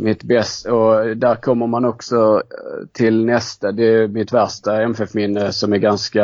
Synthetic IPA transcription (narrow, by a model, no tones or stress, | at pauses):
mɪt̪bɛst̪ɔd̪æɾkʰɔmːəɾmanɔksɔt̪ʰɪlnɛst̪ad̪ɛːmɪt̪væɾʂtaɛmɛfɛfmɪnːəsɔmæɾɡanska